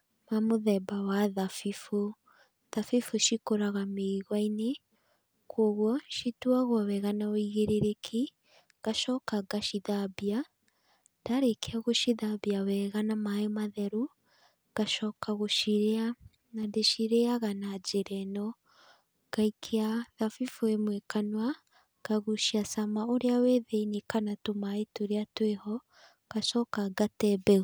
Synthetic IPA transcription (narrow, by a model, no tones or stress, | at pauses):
mamoðɛbawaðafifo | ðafifuʃikoɾaɣameɣwaine | kʰoɣwɔʃituaɣwawɛɣanaoiɣeɾeɾekʰi | ɣ̥aʃɔkaɡaʃiðabia | ndaɾekʰeaɣoʃiðabiawɛɣanamajomaðɛɾu | ɣ̥aʃɔːkaɣoʃiɾea | nandeʃiɾeaɣanad͡ʒeɾɛnɔ | ɡ̥aikʰeaðafifuemwekanwa | ɡ̥aɣuʃiasamaoɾeaweðeinekanatomaetoɾeatwehɔ | ɣ̥aʃɔkaɡatɛbɛu